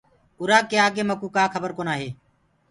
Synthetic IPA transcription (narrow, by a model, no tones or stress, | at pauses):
ʊɾaːkːeːaːkeːməkuːkaːkʰəbəɾkoːnaːɦeː